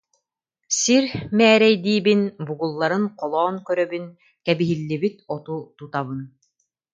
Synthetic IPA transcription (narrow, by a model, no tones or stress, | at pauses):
siɾmɛːɾɛjd̪iːbinbuɡulˠːaɾɯnqɔlˠɔːnkœɾœbyn | kɛbiɦilːibit̪ɔt̪ut̪ut̪aβɯn